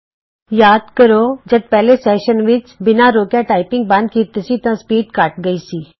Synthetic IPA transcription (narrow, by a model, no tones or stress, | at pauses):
jaːd̪kəɾoːd͡ʒɐd̪̚pɛːlesɛːʃənʋɪt͡ʃbɪnaɾoːkjaʈaːɪpɪ̃ŋɡ̚bɐ̃nd̪̚kiːt̪isit̪ãspiːɖkaːʈ̚ɡəisiː